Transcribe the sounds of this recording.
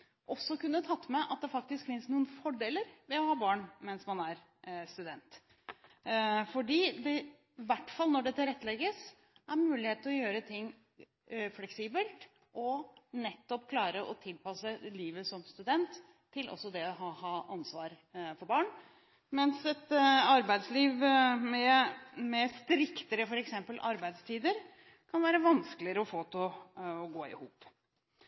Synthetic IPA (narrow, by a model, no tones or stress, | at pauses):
ʔɔsːɔkʉnːət̪ʰɑt̪ːmɛʔɑt̪̚d̪ɛfɑk̚t̪ɪskfɪnsnuːənfɔɖeːləɾʋɛɔhɑːbɑːɳmɛnsmɑnæɾ | st̪ʉd̪ɛnt̪ | fɔɖiːd̪ɛ | ʋæʈːfɑlˠnɔɖɛt̪ɪlɾɛt̪ːlɛɡəs | ʔæɾmʉːlɪheːt̪ɔjøːɾət̪ʰɪŋː | flɛksiːbəlt̪ | ʔɔnɛt̪ːɔpkʰlɑːɾəʔɔ̰t̪ʰɪlpɑsəliːʋəsɔmst̪ʉd̪ɛnt̪ʰː | ɪlʔɔ̰sːɔd̪ɛɔɦɑːhɑːʔɑnsʋɑːɾ | fɔɾbɑːɳ | mɛnsɛt̪ɑɾbæɪd̪sliːʋmɛmɛst̪ɾɪkt̪əɾəfɔɾɛksɛmpəlʔɑɾbæɪd̪st̪ʰiːd̪əɾ | kʰɑnʋæːɾəʋɑnskəlɪəɾəɔfoːt̪ʰɔɔɡoːɪ̰huːp